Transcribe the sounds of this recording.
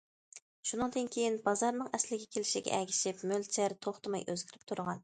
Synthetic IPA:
ʃunɨŋd̪ɨnkʲʰejinbɑzɑɾnɨŋɛslɪɡʲɛkʲʰelɪʃiɡʲɛ̰ʔɛɡʲi̥ʃɪpmølt͡ʃʰɛɾt̪ʰoχt̪ɨmɑ̰jʔøzɡʲiɾɪp̚t̪ʰuɾʁɑn

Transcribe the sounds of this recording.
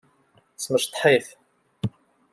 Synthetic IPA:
sməʃt̪ˤːħiθ

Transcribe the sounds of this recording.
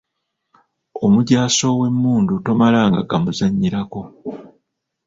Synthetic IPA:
omuɟaːso̞we̞mːuːndutomalaːŋɡa̰ɡamuzaɲːiɾako̞

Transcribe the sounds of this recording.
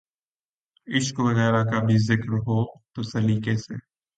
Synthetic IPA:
ɪʃkʋɐɣɛːɾakabʱizɪkɾɦoːt̪osɐliːkesḛː

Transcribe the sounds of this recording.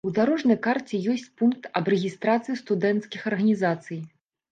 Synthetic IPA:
ud̪aɾɔʐnɐjkart͡sʲɛjɔsʲt͡sʲpunk̚t̪ɐbrɛɣʲist̪ɾat̪sɨjist̪ud̪ɛnt̪skʲixɐrɣɐnʲizat̪sɨj

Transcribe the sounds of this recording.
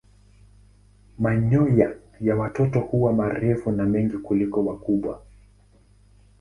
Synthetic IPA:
maɲɔja | jawatɔtɔhuwamaɾɛfunamɛŋɡikulikɔwakuɓwa

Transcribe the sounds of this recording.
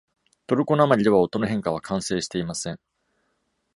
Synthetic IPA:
t̪o̞ɾɯ̟ko̞namaɾʲid̪e̞βao̞t̪ːo̞noɦẽŋkaβ̞akʰãɰ̃se̞ːɕi̥t̪e̞imasẽ̞ŋ

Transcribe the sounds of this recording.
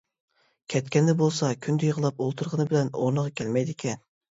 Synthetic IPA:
kʲʰɛt̪kʲɛnd̪ɛbolˠsɑkʲʰynd̪ejəʁəlˠɑpolˠt̪ʰuɾʁənɨbɪlɛno̰ɾnəʁɑkʲʰɛlmɛjd̪ɪkʲʰɛn

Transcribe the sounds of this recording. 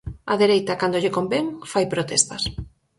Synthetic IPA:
ɐ̰ðeɾejt̪ɐkand̪oʎekombeŋfajpɾot̪est̪ɐs

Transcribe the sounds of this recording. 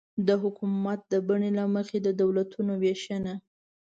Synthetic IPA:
d̪əɦʊkumat̪̚d̪əbaɳelaməxed̪əd̪awlat̪unoweʃəna

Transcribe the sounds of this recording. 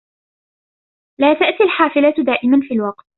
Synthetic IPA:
laːt̪aʔt̪ialħaːfɪlat̪d̪aːʔɪmanfiːlwɑqt̪̚

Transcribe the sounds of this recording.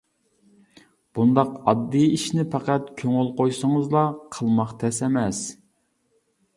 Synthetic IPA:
b̥und̪ɑqɑd̪ːijiʃnɪpʰæqæt̪kʲʰøŋylˠqojsəŋəzlˠɑqʰəlˠmɑqt̪ʰɛsɛmɛs

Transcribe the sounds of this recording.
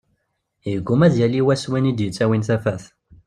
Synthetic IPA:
jəɡʷːumæzjæliwæswinid̪jət͡sːæwinθæfæθ

